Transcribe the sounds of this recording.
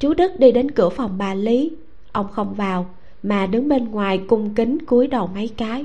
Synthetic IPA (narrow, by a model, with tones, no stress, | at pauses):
t͡ɕu˨˦ɗɨ˦˥k̚ɗi˧ɗe˨˦nkɨ˧˩əfa˨˩wŋ͡mɓaː˨˩li˨˦ | ʔə˧wŋ͡mxə˧wŋ͡mvaː˨˩w | maː˨˩ɗɨ˨˦ŋɓe˧nŋwaː˨˩jkʊ˧ŋ͡mkï˨˦ŋku˨˦əjɗə˨˩wma˨˦jkaː˨˦j